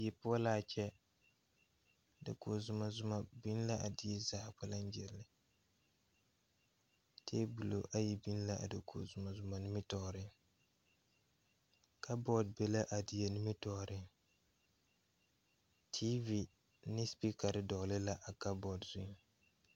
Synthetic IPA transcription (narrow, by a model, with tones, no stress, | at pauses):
jɛ˨pʊ˦a˦la˦˨t͡ʃɛ˦˨ | dḛ˨ko˨zʊ˨ma˨zʊ˦ma˨bi˦n˦la˦ʔa˨dɪ˦ɛ˦zaː˨k͡pa˦la˦n˦d͡ʒɛ˨lːɪ˨ | tʰeː˦bu˨lo˨ʔa˦ji˨bi˦n˦la˦ʔa̰˨do˨kʰo̰˨zʊ˨ma˨zʊ˨ma˨ni˦mi˦tɔ˨ɾɪ˦ŋ | ka˦bɔ˦d̚be˨la˦ʔa˨dɪ˨ja˨ni˦mi˦tɔ˨ɾɪ˦ŋ | tʰi˦vi˨ | nɪ˦spi˦ka˨ɾɪ˦dɔ˨ɣlɪ˦la˦ʔa˨ka˦bɔ˨dzʊ˦˨